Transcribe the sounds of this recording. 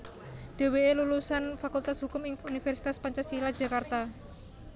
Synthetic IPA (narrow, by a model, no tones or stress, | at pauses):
ɖ̥e̤weelulusanfakult̪asɦukʊmɪŋunifɛrsi̥t̪aspaɲt͡ʃasilad̥ʒ̥ä̤kart̪a